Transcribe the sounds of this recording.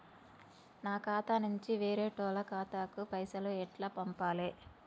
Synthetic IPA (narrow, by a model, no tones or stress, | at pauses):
naːkaːt̪anuɲt͡ʃiʋeːɾeːʈɔːlɐkaːt̪aːkupɐjsɐluɛʈlaːpɐmpaːleː